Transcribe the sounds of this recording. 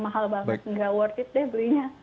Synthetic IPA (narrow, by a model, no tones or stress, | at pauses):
maɦalbaŋət̪̚ŋɡawərt̪ɪt̪̚dɛhbəɾiɲa